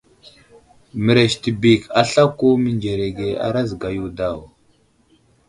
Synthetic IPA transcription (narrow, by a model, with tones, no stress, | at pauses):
mə˨ɾe˨ʃti˨bi˨ka˦ɬa˦ku˦mi˨nd͡ʒe˨ɾe˨ɡe˨a̰˦ɾa˦zɡa˨ju˦da˦˨w